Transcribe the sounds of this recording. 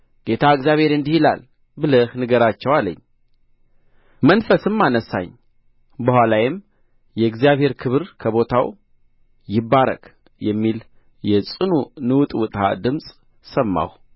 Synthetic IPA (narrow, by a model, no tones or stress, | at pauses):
ɡ̥e̞t̪ʰaɨɡzjaβhe̞ɾɨnd̪ihila̰l | bɨləhnɨɡəɾat͡ʃːɛwalə̰ɲː | mənfəsɨmːanəsa̰ɲː | bəhwʷalajɪm | jɛɨɡzijaβhe̞ɾkʰɨβɨɾkʰəβo̞t̪ʰaw | jɪbːaɾə̰kʼ | jɛmːil | jɛsʼɨnunɨwt̪ʼwʊt̪ʼha̰d̪ɨmsʼ | səmːa̰w